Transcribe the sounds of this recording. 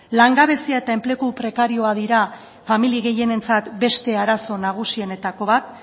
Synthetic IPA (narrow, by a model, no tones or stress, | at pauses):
laŋɡaβe̞siae̞t̪ae̞mple̞kupɾe̞kaɾio̞aðiɾa | familiɣe̞je̞ne̞nt͡sat̪be̞st̪e̞aɾaso̞naɣ̞usie̞ne̞t̪ako̞βat̪̚